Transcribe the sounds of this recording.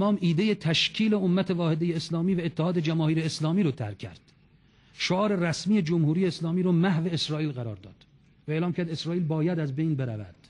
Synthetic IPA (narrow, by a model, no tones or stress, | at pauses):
mɒːmiːd̪ejet̪ʰæʃcʰiːle̞omːæt̪ʰevɒːhed̪ejeeslɒːmiːvæet̪ːehɒːd̪ed͡ʒæmɒːhiːɾeːslɒːmiːɾɔːt̪ʰæ̰ɾkʰːæ̰ɾd̪̥ | ʃoɒːɾe̞ræsmiːed͡ʒomhuːɾiːje̞ːslɒːmiːɾɔːmæhveesɾɒːiːlɣæɾɒːɾd̪ɒ̰ːd̪̥ | væeːlɒːmkʰæɾd̪esɾɒːʔiːlbɒːjæd̪æzbejnbe̞ɾæ̰væ̰d̪̥